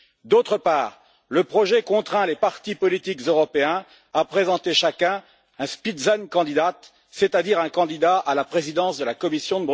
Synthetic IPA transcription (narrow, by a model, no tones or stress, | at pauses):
d̪ot̪χəpaːʁ | ləpχɔʒɛkɔ̃t̪χɛ̃lepaʁt̪ipɔlit̪ikzøʁɔpeɛ̃ | apχezɑ̃t̪eʃakʲɛ̃ | ɛ̃spid̪zankɑ̃d̪id̪at̪ | set̪ad̪iʁɛ̃kɑ̃d̪id̪aʔalapχezid̪ɑ̃sd̪əlakɔmisjɔ̃d̪əb